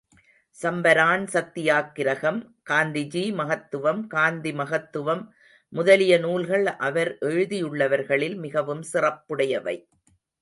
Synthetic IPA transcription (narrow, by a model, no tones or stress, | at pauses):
sɐmbɐɾaːnsɐt̪ːɪjaːkːɪɾɐɣɐmkaːnd̪ɪd͡ʒiːmɐɣɐt̪ːɯʋɐmkaːnd̪imɐɣɐt̪ːɯʋɐmː | ʊðɐlɪjɐnuːlɣɐɭʔɐʋɐɾʔɛɻɯðɪjɯɭːɐʋɐɾɣɐɭɪlmɪɣɐʋɯmsɪrɐpːɯɽɐjɐʋɐ̰ɪ